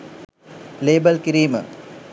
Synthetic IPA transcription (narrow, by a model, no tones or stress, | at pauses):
leːbɐlkiɾiːmə̰